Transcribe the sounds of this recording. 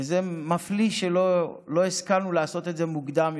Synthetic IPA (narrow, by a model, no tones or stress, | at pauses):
zemafliʃelo | lo̞iskanuleaso̞t̪e̞t̪ze̞muɡd̪am